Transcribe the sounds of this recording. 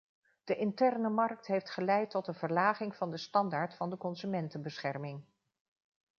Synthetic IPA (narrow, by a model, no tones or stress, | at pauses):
d̥əʔɪntɛrnəmɑrk̚tɦejftχəlɛjtːɔtənvəɹlaːχɪŋv̥ɑndəstɑndaːɹtfɑndəkɔnzymɛntənbəsχɛrmɪŋ